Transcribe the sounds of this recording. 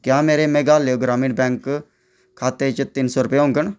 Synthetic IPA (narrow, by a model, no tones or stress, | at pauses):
kjaːmeːɾeːmeːɡaːleoɡɾaːmɪʈbɛ̃ːŋkʰː | aːt̪eːt͡ʃət̪ɪnsoːɾʊpeːõŋɡəɳ